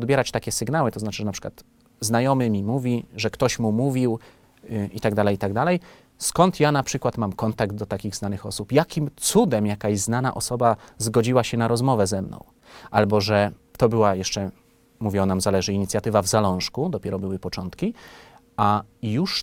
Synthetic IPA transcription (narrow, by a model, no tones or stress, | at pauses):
ɔd̪bʲjɛɾat͡ɕt̪akʲɛsɘɡnawɘt̪ɔznat͡ʂɘʐɛnapʂɘ̥kwa̰t̪ | znajɔmɘmʲimuvʲiʐɛkt̪ɔɕmumuvʲiw | ʔit̪aɡd̪alɛjit̪aɡd̪alɛj | skɔnt̪janapʂɘkwat̪mamkɔnt̪aɡd̪̚d̪ɔt̪akʲiɣznanɘxɔsupjakʲimt̪sud̪ɛmjakajzznana̰ʔɔsɔbazɡɔd͡ʑiwaɕɛnaɾɔzmɔvɛzɛmnɔ̰̃w̃ | ʔalbɔʐɛ | t̪ɔbɘwajɛʂt͡ʂɛ | muvʲiɔnamzalɛʐɘiɲit̪sʲjat̪ɘvavzalɔ̃w̃ʂkud̪ɔpʲjɛɾɔbɘwɘpɔt͡ʂɔnt̪kʲi | ajuʂ